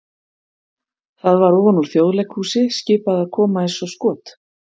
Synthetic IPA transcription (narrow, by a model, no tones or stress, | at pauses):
θaðvaɾɔvɔnuɾ̥θjoːwðlɛjkhuːsɪscɪːpaðaðkʰɔːmaejnsɔskɔːt̪